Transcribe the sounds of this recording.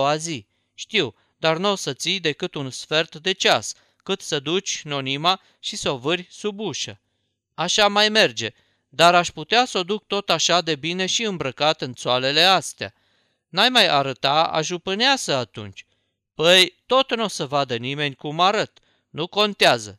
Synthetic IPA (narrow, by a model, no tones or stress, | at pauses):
azi | ʃt̪iw | d̪arnosət̪sijd̪e̞kɨt̪unsfe̞rt̪d̪e̞t͡ʃas | kɨt̪səd̪ut͡ʃʲno̞nima | ʃisovɨrʲsubuʃə | aʃamajme̞rd͡ʒe̞ | d̪aɾaʃʲput̪easo̞d̪uk̚t̪o̞t̪aʃad̪e̞bine̞ʃiɨmbɾəkat̪ɨnt̪soale̞le̞ast̪ea̰ | najmaja̰ɾət̪aa̰ʒupɨneasəat̪ṵnt͡ʃʲ | pəjt̪o̞t̪no̞səvad̪ənime̞nʲkumaɾət̪ | nuko̞nt̪eazə̰